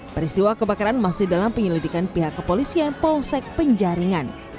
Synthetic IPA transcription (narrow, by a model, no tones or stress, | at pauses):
pəɾist̪iwakəbakaɾanmasɪhdalampəɲəlidikanpiɦakːəpolisianpɔlsɛk̚pəɲd͡ʒaɾiŋan